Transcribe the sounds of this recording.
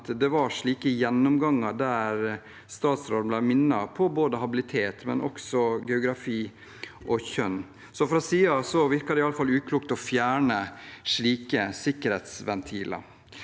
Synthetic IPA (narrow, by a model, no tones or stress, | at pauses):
t̪d̪ɛʋɑʂɭiːkəjɛnːɔmɡɑŋːɑd̪æɾ | st̪ɑːt̪sɾɔlmb̪læɪmɪnːɑpʰɔboːd̪əɦɑbɪlɪt̪ʰeːt̪mɛ̰nʔɔ̰ksɔɡɛʊɡɾɑfiː | ʔɔçœnː | sɔfɾɑsiːɑsɔʋɪɾkɑd̪ɛɪɑləfɑlʉːkʰluːkt̪ɔfjæːɳəʂɭiːkəsɪkəɾhet̪sʋɛnt̪ʰiːlɑ̰ɾ